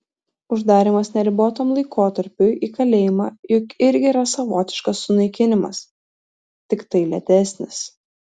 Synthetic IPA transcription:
ʊʒd̪ɑːɾʲɪmɐsnʲɛɾʲɪboːt̪oːmlˠɐɪkʰoːt̪ɐɾʲpʲʊiːkɐlʲeːjɪmɑːjʊkɪɾʲɡʲɪːɾɐsɐʋoːt̪ʲɪ̥ʃkɐsːʊnɐɪkʲɪnʲɪmɐ̰s | t̪ʲɪkt̪ɐɪlʲɛ̰t̪ʲɛsʲnʲɪs

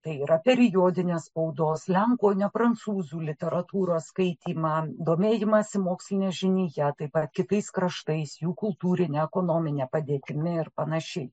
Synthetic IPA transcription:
t̪ɐɪiːɾɐpʲɛɾʲɪjoːd̪ʲɪnʲeːsspɐʊd̪oːslʲɛŋkoːnʲɛpɾɐnt̪suːzuːlʲɪt̪ʲɛɾɐt̪uːɾoːskɐɪt̪ʲiːmɑd̪oːmʲeːjɪmɐsʲɪmoːksʲlʲɪnʲeːʒʲɪnʲiːjɛt̪ɐɪpɐt̪kʲɪt̪ɐɪskɾɐʃt̪ɐɪsjuːkʊlˠt̪uːɾʲɪnʲeɛkoːnoːmʲɪnʲeːpɐd̪ʲeːt̪ʲɪmʲɪɪɾpɐnɐʃʲɛɪ

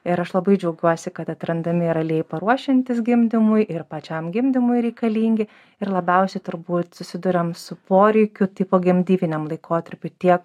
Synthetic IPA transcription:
ɪɾɐʃlˠɐbɐɪd͡ʒʲɛʊɡʲuɔsʲɪkɐt̪ɐt̪ʲɾɐnd̪ɐmʲɪɾɐlʲeːjpɐɾuɔʃʲɪnʲt̪ʲɪs̬ɡʲɪmʲd̪ʲɪmʊjʔɪɾpɐt͡ʃʲɐmɡʲɪmʲd̪ʲɪmʊɪɾʲɛɪkɐlʲiːŋʲɡʲɪ | ɪɾlˠɐbʲɛʊsʲɛɪt̪ʊɾbuːt̪sʊsʲɪd̪ʊɾʲɛmsʊpoːɾʲɛɪkʲʊt̪iɪpoːɡʲɛmʲd̪ʲiːʋʲɪnʲɛmlˠɐɪkoːt̪ɐɾʲpʲʊt̪ʲiɛk

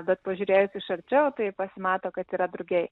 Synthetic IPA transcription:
bʲɛt̪̚pɐʒʲuːɾʲeːjʊsʲɪʃɐɾʲt͡ʃʲɛʊt̪ɐɪpɐsʲɪmɑːt̪oːkɐt̪iːɾɐd̪ɾʊɡʲɛɪ

